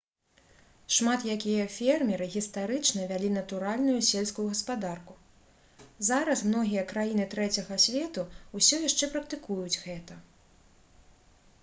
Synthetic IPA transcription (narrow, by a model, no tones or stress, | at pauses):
ʂmat̪jakʲijɐfʲɛrmʲɛɾɨɣʲist̪aɾɨt͡ʂnɐvʲalʲinɐt̪uɾalʲnujusʲelʲskujuɣɐspad̪arku | zaɾɐsmnɔɣʲijɐkɾajinɨt̪ɾɛt͡sʲɐɣɐsʲvʲɛt̪uusʲɔjaʂt͡ʂɛpɾɐk̚t̪ɨkujud͡zʲɣɛt̪ɐ